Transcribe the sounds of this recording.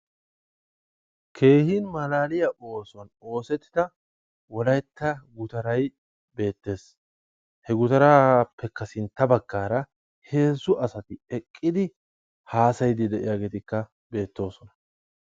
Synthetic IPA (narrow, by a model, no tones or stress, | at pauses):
kʰe̞ːhinmɐlaːlɪjɐʔo̞ːsɔno̞ːsɛt̪ːɪ̥d̪ɐ | wɔlɐjt̪ːɐɡʊt̪ɐɾɐj | be̞ːt̪ːe̞ːs | hɛɡʊt̪ɐɾaːpːɛkːɐsɪnt̪ːɐbɐɡːaːɾɐ | he̞ːzʊʔɐsɐt̪ɪɛkʼːɪd̪ɪ | haːsɐjd̪ɪd̪ɛʔɪ̰jaːɡe̞ːt̪ɪkːɐ | be̞ːt̪ːo̞ːsɔnɐ̥